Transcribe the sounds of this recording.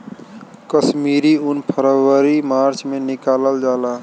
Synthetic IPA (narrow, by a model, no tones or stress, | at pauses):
kəsmiːɾiʊnpʰəɾəʋəɾimaːɾt͡ʃmẽnɪkaːləld͡ʒaːlaː